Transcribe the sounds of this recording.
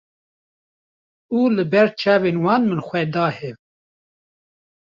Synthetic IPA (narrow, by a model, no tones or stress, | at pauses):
uːlɨbɛɾt͡ʃʰɛːveːnwɑːnmɨnxʷɛd̪ɑːhɛv